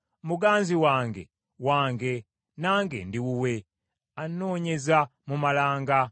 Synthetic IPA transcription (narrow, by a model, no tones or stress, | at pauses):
muɡaːnziwaːŋɡḛ | waːŋɡe̞ | naːŋɡḛndiwuwe̞ | ano̞ːɲe̞zamumalaːŋɡa